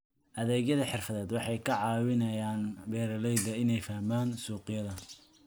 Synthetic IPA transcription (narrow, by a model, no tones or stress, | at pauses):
ʔɐðɛːɣjɐðɐħɪrfɐðɛːd̪wɑħɑjkʰɐʕɑːwɪnɐjaːnbɛːɾɐlɛjd̪ɐɪnɛjfɐhmaːnsuːqɪjɐðɐ